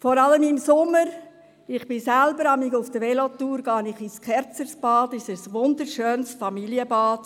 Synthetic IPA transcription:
fɔɾɑləmɪmsʊmːəɾ | ɪχb̥ɪsælbəɾɑmɪɡʊfd̥əʋɛlotuːɾɡ̥ɑːnɪχiskʰɛɾt͡səɾsb̥ɑːdɪʃəsʋʊndəɾʃøːnsfɑmiliəbɑːt

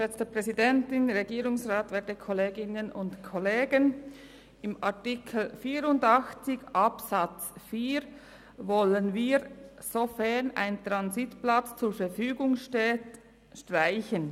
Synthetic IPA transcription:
lɛt͡stəpʁ̥ɛzidɛntɪnʁeɡiːɾʊŋsʁaːtvɛːɐdəkʰɔleːɡɪnənʊntkʰɔleːɡən | ɪmʔɑʁtikʰl̩fiːɾʊndɑxt͡sɪçʔɑpsɑt͡sfiːɾ | vɔlənviːɾsofɛɐna̰ɪnt̪ʁɑnzitplɑt͡st͡suːɾfɛɾfyːɡʊŋʃteːt | ʃtʁ̥aɪçən

